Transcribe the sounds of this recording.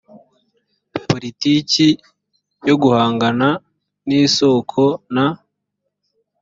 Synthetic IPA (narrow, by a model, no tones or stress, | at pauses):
poɾitiːci | jo̞ɡuhaːŋɡana | niːso̞ːkʰona